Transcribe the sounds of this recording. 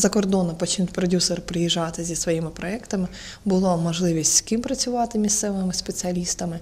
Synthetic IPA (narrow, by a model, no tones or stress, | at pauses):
zɐkɔrd̪ɔnɔpɔt͡ʃnut̚ʲpɾɔdʲusɔɾpɾɪjiʒːɑt̪ɪzʲisʋɔjimɪpɾɔɛkt̪ɐmɪ | bʊlˠamɔʒlˠɪʋʲisʲtʲskimpɾɐt͡sʲʊʋɑt̪ɪmʲist̪sɛʋɪmɪspet͡sʲiɐlʲist̪ɐmɪ